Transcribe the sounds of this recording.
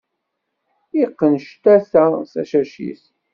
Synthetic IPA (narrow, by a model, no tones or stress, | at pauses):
iqːənʃt̪æθæsæ̰ʃæʃḭθ